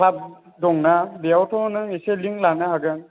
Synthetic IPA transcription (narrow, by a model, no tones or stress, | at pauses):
kʰlap̚ | dɔŋnabijawtʰɔnɯŋiseliŋlanahaɡɯŋ